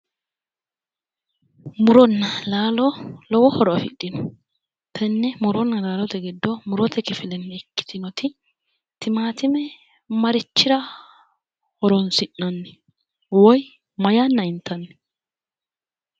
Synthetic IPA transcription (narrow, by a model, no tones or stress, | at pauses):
mʊɾɔnːɐlaːlɔlɔwɔhɔɾɔɐfɪ̰ɗɪnɔ | t̪ʰɐnːɛmʊɾɔnːɐlaːlɔt̪ɛɡɪd̪ːɔmʊɾɔt̪ʰɛkɪfɪlɛnːɛɛkːɪ̥t̪ɪnɔt̪ɪ | t̪ɪmaːt̪ɪmɛ | mɐɾɪt͡ʃːɪɾɐ | hɔɾɔnsɪnːɐnːɛ | wɔj | mɐjanːɐɪnt̪ːɐnːɛ̥